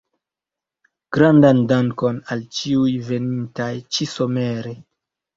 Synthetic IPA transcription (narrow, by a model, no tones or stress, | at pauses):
ɡ̥ɾandandaŋko̞nalt͡ʃiujve̞nintajt͡ʃiso̞meɾe